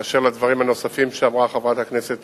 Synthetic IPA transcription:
aʃeʁlad̪vaʁimhano̞safimʃeamʁaχavʁat̪hakne̞set̪

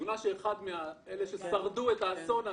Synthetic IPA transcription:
unaʃeeχad̪meaeleʃesaʁdue̞t̪aːso̞na

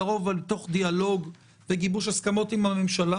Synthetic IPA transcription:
o̞valt̪o̞χd̪ialo̞ɡ | beɡibuʃaskamo̞t̪imame̞mʃala

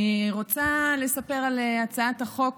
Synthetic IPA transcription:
ʁo̞t͡sale̞sape̞ʁaleat͡saat̪haχo̞k

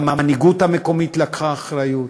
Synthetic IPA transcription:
maniɡuthameko̞mit̪lakχaːχɾajut̪

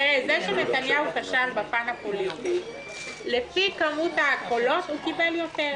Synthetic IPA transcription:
ezɛʃenetanjahukaʃalbapanapolitik | lefikamutakolotukibɛljotɛʁ

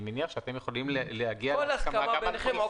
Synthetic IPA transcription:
meniaχʃeat̪emjeχolimlehaɡiaolaskaamaaeo

